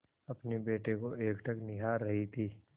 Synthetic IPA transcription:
ɐpnebeːʈekoeːkʈʰɐknɪɦaːɾːɐɦit̪ʰiː

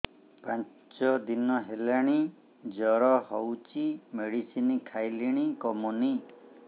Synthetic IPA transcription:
pãn | t͡ʃɔd̪inɔɦelaɽ̃i | d͡ʒɔɾɔhɔwt͡ʃimeɽisinikʰajliɽ̃ikɔmuni

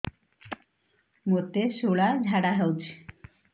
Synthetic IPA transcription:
mot̪eʃoɭad͡ʑʱaɽaɦɛwt͡ɕʰi̥

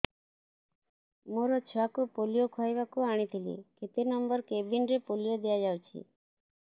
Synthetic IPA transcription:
moɾɔt͡ʃʰɔakupolijokʰajbakuaɽ̃it̪ʰilḭkʰet̪enɔmbɔɾkebinɾepolijod̪ijad͡ʒawt͡ʃʰḭ

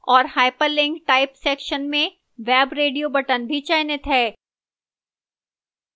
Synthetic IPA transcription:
ɔːɾhaːɪpəɾlɪ̃ŋkʈaːɪpsɛːkʃənmẽ | ʋɛːbɾeːɖijobɐʈənbʱit͡ʃaːɪnet̪ɦɛː

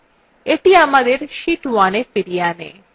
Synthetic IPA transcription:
eʈiamad̪eɾʃiʈwanefiɾijanḛ

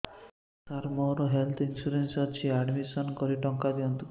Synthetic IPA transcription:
t̪aɾmɔɾɔɦelt̪ʰinsuɾensɔt͡ʃʰiaɖmisɔnkɔɾiʈɔŋkad̪iɔnt̪u

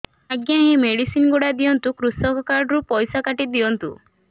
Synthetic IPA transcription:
aɡjaɦemeɽisinɡoɽad̪ijɔnt̪ukɾusɔkɔkaɾɖɾupɔjsakaʈid̪ijɔnt̪ṵ

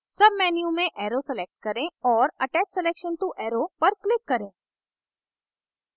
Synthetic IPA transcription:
sɐbmɛːnjũmẽʔɛːɾoseleːk̚ʈ̚kɐɾẽɔːɾɐʈɛːt͡ʃseleːkʃə̃nʈuʔɛːɾopɐɾklɪkːɐɾẽː

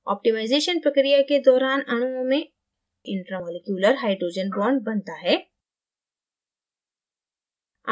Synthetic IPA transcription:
ɔ̰ːp̚ʈimaːɪzeːʃənpɾɐkɾijaked̪ɔːɾaːnɐɽ̃ũõmẽ | ɪ̃ɳʈɾəmoːlekjuːləɾɦaːɪɖɾoːd͡ʒənbɔːɳɖ̚bɐnt̪aɦɛː

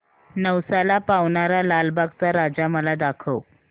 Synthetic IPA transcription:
nəʋsalapaʋɳaɾalalbaɡt͡saɾad͡zaməlad̪akʰəw

